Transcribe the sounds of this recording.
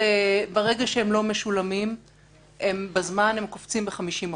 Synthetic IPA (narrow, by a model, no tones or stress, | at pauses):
ebaʁeɡaʃehemlo̞me̞ʃulamim | hembazmanhemkoft͡simbeχamiʃim